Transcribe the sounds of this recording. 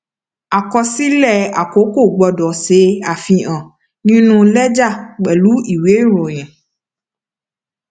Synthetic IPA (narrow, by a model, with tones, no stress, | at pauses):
a˨kɔ˧si˦lɛ˦˨a˨ko˨˦ko˦˨ɡ͡bɔ˧dɔ˨se˨˦a˦˨fĩ˧ã˨ | nĩ˦nũ˦lɛ˦d͡ʒa˦˨k͡pɛ˨lu˨˦i˦˨we˨˦˨ɾo˨j̃ɛ̃˨